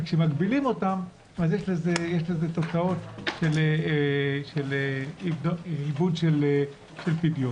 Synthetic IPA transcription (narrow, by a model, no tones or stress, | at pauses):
kʃemaɡbilimo̞tam | azjeʃlezejeʃlezet̪o̞t͡sao̞tʃele | ʃeleidibudʃele | ʃelpidjo